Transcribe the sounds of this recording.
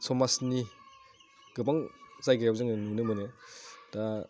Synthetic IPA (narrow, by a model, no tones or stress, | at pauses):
sɔmasni | ɡɯbaŋzajɡajawzɯŋɯnunɯmɯnɯda